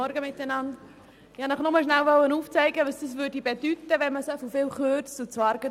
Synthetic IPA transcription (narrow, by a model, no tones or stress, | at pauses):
ɔɾɡəmɪt̪ːənɑnd | ɪhɑnəχnʊməʃnælʋœlːənuːft͡sɛɪɡəʋɑsd̥̪əs̬ʋøːɾdibed̥̪yt̪ːəʋɛnməsɔfofɪːlχøt͡sut͡sʋɑɾɡ̥ə